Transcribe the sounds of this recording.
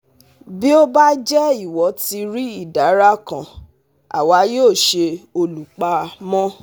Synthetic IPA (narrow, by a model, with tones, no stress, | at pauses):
bi˦o˦ba˦d͡ʒɛ˦i˦˨wɔ˨˦ti˧ɾi˦i˦˨da˨˦ɾa˦kã˨ | a̰˨wa˨˧˦joː˦˨ʃe˧o˧lu˨k͡pa˧mɔ̃˦